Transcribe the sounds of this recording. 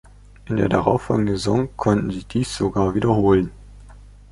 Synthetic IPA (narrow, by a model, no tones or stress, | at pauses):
ʔɪndḛːɐdaʁaʊfɔ̰lɡŋn̩zezɔŋkʰɔntn̩ziːd̥iːsz̥oɡaːɐviːdɐhoːlən